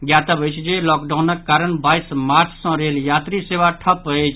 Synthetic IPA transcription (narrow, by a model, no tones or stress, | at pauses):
ɡjat̪əbəjt͡ʃʰd͡ʒelɔkɖawnəkːaɾənbajsmaɾt͡ʃʰsə̃ɾeljat̪ɾiseʋaʈʰəpət͡ʃʰ